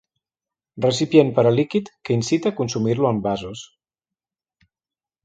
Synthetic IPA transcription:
rəsipjenpəɾəlikit̪kəinsit̪əːkunsumiɾluəmbazus

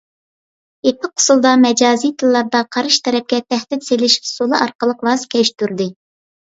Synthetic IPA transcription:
epʰɪqʰːʊ̥sulˠd̪ɑmɛd͡ʒɑːzijt̪ʰɨlˠːɑɾd̪ɑqʰɑɾɨʃt̪ʰɛɾɛp̚kʲɛt̪ʰæhd̪ɪt̪selɪʃsolˠɨɑɾqəlˠəqvɑskʲʰɛʃt̪yɾd̪ɪ

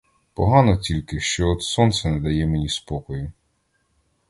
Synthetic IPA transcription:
pɔɦɑnɔtʲilʲkɪʃt͡ʃɔɔt̪sɔnt̪sɛnɛd̪ɐjɛmenʲispɔkɔjʊ

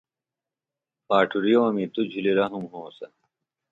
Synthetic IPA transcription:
paːʈʰuɾijoːɐmit̪ud͡ʑʱiliɾɐɦumɦoːsɐ

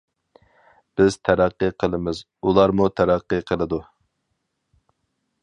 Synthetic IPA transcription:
b̥ɪz̥t̪ʰæɾæqːɨqʰəlˠɨmɪz | ulˠɑɾmut̪ʰæɾæqːɨqʰəlˠɨd̪u

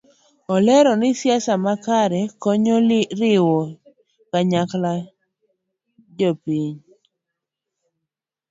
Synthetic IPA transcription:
ɔlɛɾɔnɪsjasamakaɾɛkoɲoɾɪwɔ | kaɲakla | d͡ʒopiɲ

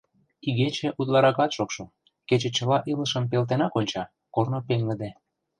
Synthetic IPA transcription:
iɣet͡ɕĕʔut̪lɑɾɑkɑt̪ʃokʃo | ket͡ɕĕt͡ɕəlɑʔilə̆ʃə̆mp̬elt̪̬enɑkonʲt͡ɕɑ | kornopeŋɡə̆d̪e

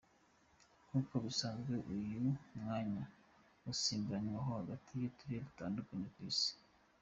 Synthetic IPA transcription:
kuko̞βisanzɡe̞ʔujumŋaːɲa | usiːmbaɲwaɦohaɡatʰijetuɾieβitaːndukaɲekwiːsi̥

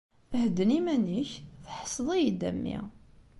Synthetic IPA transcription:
hd̪ːənimæniçθħə̥sˤðˤijid̪æ̰mːḭ

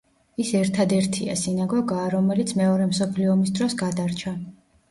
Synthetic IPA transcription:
isɛɾt̪ʰad̪ɛɾt̪ʰia̰sinaɡɔɡaːɾɔmɛlit̪sʰmɛɔɾɛmsɔpʰliɔmisd̪ɾɔsɡad̪aɾt͡ʃʰa

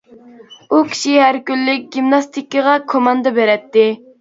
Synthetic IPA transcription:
ukʲʰi̥ʃiɦæɾkʲylːɪk̚ʲɡʲimnɑst̪ʰikːəʁɑkʰomɑnd̪ɨbeɾɛt̪ːɪ

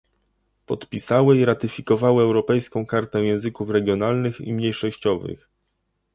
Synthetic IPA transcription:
pɔt̪pʲisawɘiɾat̪ɘfʲikɔvawɘɛwɾɔpɛjskɔ̃w̃kaɾt̪ɛ̃jɛ̃w̃zɘkufɾɛɡʲjɔnalnɘxḭmɲejʂɔɕt͡ɕɔvɘ̰x

